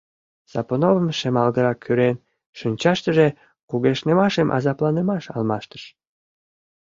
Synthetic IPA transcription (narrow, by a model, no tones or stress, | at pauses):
z̥ɑponovəmʃemɑlɣəɾɑkʰːyɾen | ʃynʲt͡ɕɑʃt̪əʒe | kuɣeʃnemɑʃemʔɑ̰zɑplɑnemɑʃɑ̰lmɑʃt̪ə̥ʃ